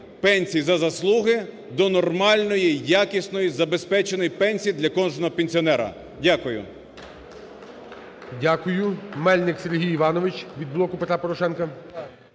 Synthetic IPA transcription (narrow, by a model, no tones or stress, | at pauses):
pɛnʲsʲijizɐzɐslˠuɦɪ | d̪ɔnɔrmɑlʲnɔjijakɪsnɔjizɐbespɛt͡ʃenɔjipɛnʲsʲijid̪lʲɐkɔnʒnɔɦɔpenʲsʲiɔnɛɾɐ̰ | dʲakʊjʊ̰ | dʲakʊjʊmɛlʲnɪkseɾɦʲijiʋɑnɔʋɪt͡ʃʋʲid̪̚blˠɔkʊpet̪ɾapɔɾɔʃɛnkɐ